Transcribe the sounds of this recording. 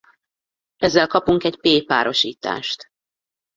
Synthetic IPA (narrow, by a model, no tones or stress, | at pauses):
ɛzːɛlkɒpuŋkɛɟpeːpaːɾʔo̞ʃḭːt̪a̰ːʃt̪